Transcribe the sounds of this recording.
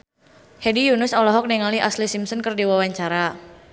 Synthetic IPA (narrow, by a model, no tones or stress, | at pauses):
hedijunʊsɔlɔɦɔk̚niŋaliʔaslisimsɔnkərdiwawaɲt͡ʃaɾa